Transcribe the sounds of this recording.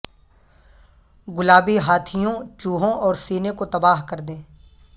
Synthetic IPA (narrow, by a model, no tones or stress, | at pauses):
ɡʊlaːbiɦaːt̪ʰijõt͡ʃuːɦõʔɔːɾsiːnekot̪ɐbaːɦkɐɾd̪ẽː